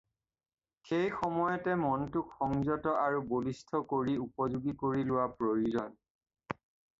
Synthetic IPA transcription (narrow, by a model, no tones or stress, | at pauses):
xejxɔmɔjɔtɛmɔntʊkxɔŋzɔtɔʔaɹubolistʰɔkoɹiupɔzuɡikoɹilʊwapɹojuzɔn